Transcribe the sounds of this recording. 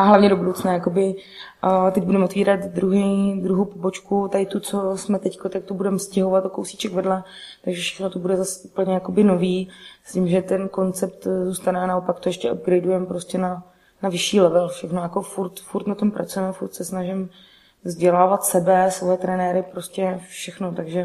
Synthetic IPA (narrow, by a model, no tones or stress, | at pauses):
ʔaɦlavɲɛdobudowt͡snaːjako̞bɪ | t̪ɛc̚budɛmot̪viːɾat̪dɾuɦɛd̪ɾuɦowpobo̞t͡ʃkut̪aɪt̪ut͡so̞smɛt̪ɛckot̪ak̚t̪obudɛmfscɛɦovat̪okowsi̥t͡ʃɛkvrdlɛ | t̪aɡʒɛfʃɛ̥xnot̪obudɛzasʔupl̩ɲɛjako̞bɪno̞viːscɪmʒɛt̪ɛnko̞nt͡sɛp̚t̪zuːst̪anɛnaopakt̪o̞jɛʃcɛʔob̚ɡɾɛjdujɛmpɾo̞scɛna | navɪʃiːlɛvɛlfʃɛxnojako̞fuɾt̪fuɾt̪nat̪o̞mpɾʔat͡sujɛmɛfuɾt̪sɛsnaʒɪm | vzɟɛlaːvat̪sɛbɛsvojɛt̪ɾɛnɛːɾɪpɾo̞scɛfʃɛxnot̪aɡʒɛ